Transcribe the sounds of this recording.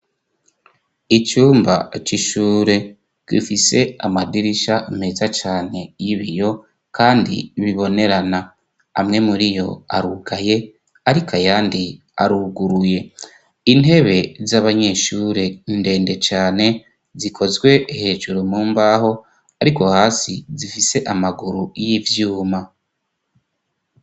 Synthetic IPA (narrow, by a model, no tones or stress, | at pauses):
it͡ʃuːmba̰t͡ʃiʃuːɾe̞ | kḭfise̞amadiɾiʃame̞zat͡ʃaːne̞jiβijo̞ | kʰaːndḭβiβo̞ne̞ɾana | a̰mŋe̞muɾijo̞̰a̰ɾuɡaje̞ | aɾikajaːndi | a̰ɾuɡuɾuje̞ | ine̞βe̞zaβaɲe̞ːʃuːɾende̞ːnde̞t͡ʃaːne̞ | zikʰo̞zɡwe̞ʔihe̞ːʒuɾumuːmbaːɦo̞ | aɾiko̞haːsizifise̞ʔamaɡuɾujivjuːma